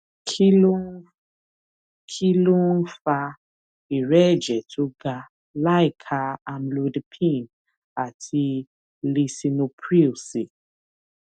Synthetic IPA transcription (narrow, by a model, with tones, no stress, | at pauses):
ko˦ | kʰi˦lo˦n̩˦fa˧ | i˨ɾɛ˦˨d͡ʒɛ˨tʰo˨˦ɡa˧ | la˦i˦˨kʰa˨˧a˨mlo˨˦dpʰĩ˦˨n | a˨tʰi˧ | le˧si˧nũ˧pʰɾi˦o˨si˨